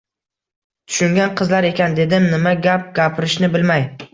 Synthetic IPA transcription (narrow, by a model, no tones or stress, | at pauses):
t̪ʰʊ̥ʃʊŋɡʲanqʰɨzlaɾe̞kʲʰand̪e̞d̪ɪmnɪmaɡʲap̚ɡʲapʰɪɾɪʃnɪbɪlmaj